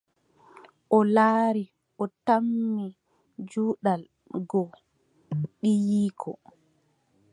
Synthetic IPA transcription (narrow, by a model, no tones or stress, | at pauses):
ʔɔlaːɾi | ʔɔtamːi | d͡ʒuːɗal | ɡɔ | ɗijiːkʰɔ